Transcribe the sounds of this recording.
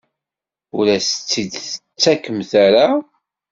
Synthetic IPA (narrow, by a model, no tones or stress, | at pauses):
ʊlæsət͡sːid̪ət͡sːækːəmθæɾa